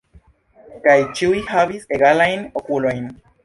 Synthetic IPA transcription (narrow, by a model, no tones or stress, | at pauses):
kajt͡ʃiihaβiseɣalajnokulajn